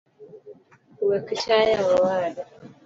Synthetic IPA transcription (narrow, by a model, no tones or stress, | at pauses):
uwɛkiʃajawawaːɗa